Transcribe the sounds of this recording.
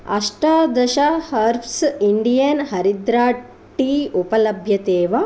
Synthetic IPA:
ɐ̰ʂʈaːd̪ɐʃɐhɐɾpʰsiɳɖijɐnhɐɾid̪ɾaː | ʈːiːupɐlɐbʱjɐt̪eːʋɐ

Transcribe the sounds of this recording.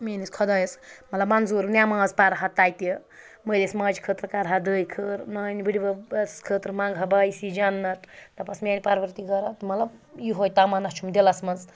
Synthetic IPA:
mʲeniskʰɔd̪ɐjsmɐt̪lɐbmanzuɾnʲjamãːzpaɾɐɦɐt̪ajt̪e | məlesmɐːd͡ʒkʰət̪ɾɐkaɾɦad̪əːjkʰəɾnɐːnibɨɽibɐskʰət̪ɾmaŋɡʱabajsid͡ʒanːɐʈʰt̪ɐpɐsmʲenʲipaɾʋɐɾt̪iɡɐɾɐt̪mɐt̪lɐbjuɦojt̪amɐnɐst͡ʃʰumd̪elɐsmɐz

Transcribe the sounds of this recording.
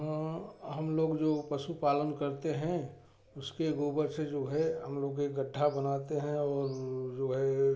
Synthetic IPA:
əɦɐmloːɡd͡ʒoːpəsupaːlənkəɾt̪eɦɛ̃ | ʊskeɡuːbəɾsed͡ʒoːɦɛɦəmloːɡeɡəɖʱːabɐnat̪eɦɛ̃ɔːɾd͡ʒoːɦɛ

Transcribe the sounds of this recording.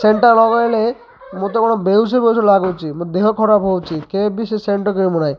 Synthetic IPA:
seɳʈaɾlɔɡɔele | mũt̪ɔkɔɽ̃ɔbews̬ibewsɔlaɡot͡ʃʰimũd̪eɦɔkʰɔɾapɦowt͡ʃʰikebiseseɳʈɔɾkɔimɔnaj

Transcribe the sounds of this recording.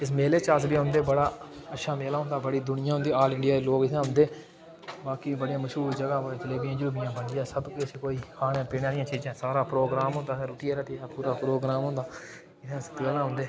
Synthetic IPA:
ɪs̬meːleːt͡ʃaːs̬biɦʊ̃nd̪eːbəɽaː | ətːʃʰaːmeːlaːɦʊnd̪aːbəɽiːd̪ʊnɪjãːʊ̃nd̪iːaːlɪɳɖɪjaːd̪eːloːɡɪtãːɦʊ̃nd̪eː | baːkiːbəɽjãːməʃuːɾd͡ʒəɡãːəd͡ʒɪleːbɪjãːd͡ʒʊɾbɪjãːbəɳd̪ɪjãːsəbkːəsĩːkoːiːkʰaːnjãːpiːnaːɾɪjãːt͡ʃiːd͡ʒãːsaːɾaːpɾoːɡɾaːmɦʊ̃nd̪aːɾuːʈɪiːaːɾɛt̪ʰiaːpuːɾaːpɾoːɡɾaːmɦʊ̃nd̪aː | ɪt̪ãːsət̪ɪkaːlãːɦʊ̃nd̪eː

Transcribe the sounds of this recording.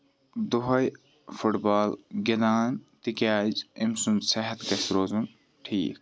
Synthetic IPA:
d̪uɦɐj | fuʈbaːlɡenaːnt̪ikʲaːd͡ʒimsunsɐɦɐt̪ɡɐsɾoːzun | ʈʰiːk

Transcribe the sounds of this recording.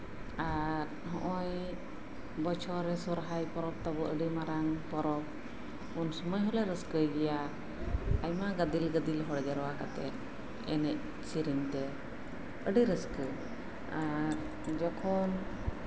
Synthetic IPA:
aɾɦɔʔɔj | bɔt͡ʃʰɔɾɛsɔɾɦajpɔɾɔp̚t̪ɔbɔʔəɖimaɾaŋpɔɾɔp̚ | unsɔməjɦɔlɛɾəskəjɡɛja | ajmaɡəd̪ilɡəd̪ilɦɔɽɛd͡ʒaɾɔwakat̪ɛ | ɛ̰nɛʔ̚ | t͡ʃiɾiɲt̪ɛ | əɖiɾəskə | aɾ | d͡ʒɔkʰɔn

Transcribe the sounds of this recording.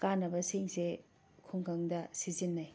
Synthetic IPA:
kanɐbɐsiŋse | kʰuŋkʰɐŋdɐsizinːaj

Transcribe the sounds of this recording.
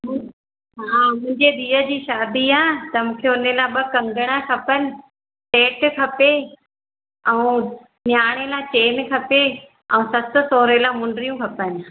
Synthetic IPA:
mʊ̃ | ɦaːmʊ̃ɦɪ̃ɲd͡ʑeɗ̪iːəd͡ʑiːʃaːd̪iaːt̪ɐmũːkʰeʊnelaːɓɐkɐ̃ŋɡəɽ̃akʰɐpənɪ̆ | seːʈkʰɐpe | ɛ̃ũ | njaːɽ̃elaːɪt͡ɕeːmẽkʰɐpe | ɛ̃ũsɐt̪ʊ̆soːɾelaːmʊ̃ɳɖɾijũkʰɐpənɪ̆

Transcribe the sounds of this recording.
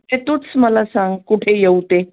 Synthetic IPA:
t̪et̪uːt͡sməlasãŋɡkuʈʰejeut̪e

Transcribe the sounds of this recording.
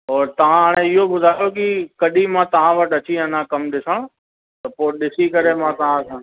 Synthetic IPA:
ɔːɾt̪ɐʋ̤ãɦaːɽ̃ẽɪɦobʊd̪ʱaːjokɪkɐɗimãːt̪ɐʋ̤ãʋɐʈʰɐt͡ɕiɐnãkɐmɗɪsəɽ̃ | t̪ɐpoːɗɪsikɐɾemãt̪ɐʋ̤ãsʰãː

